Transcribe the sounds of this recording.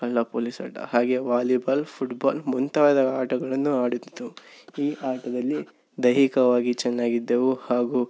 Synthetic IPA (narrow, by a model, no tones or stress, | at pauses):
ɐlːɐpoːlisa̰ːʈɐ̰haːɡe̞ʋaːlibaːlpʰuʈbaːlmunt̪aːɐd̪ɐaːʈɐɡɐɭɐnːuaːɽut̪t̪ːuiːʔaːʈɐd̪ɐlːi | d̪ɐɦikɐʋaːɡit͡ʃɛnːaːɡid̪ːɐʋuhaːɡu